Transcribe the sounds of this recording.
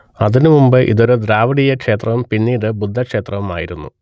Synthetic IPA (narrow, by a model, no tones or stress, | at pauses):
ɐðinɨmumbɨʔḭðo̞ɾud̪ɾaːʋɐɽijɐkʂe̞ːt̪rɐʋumpinːiːɽɨbud̪ʱːɐkʂe̞ːt̪rɐʋuma̰ːjiɾunːṵ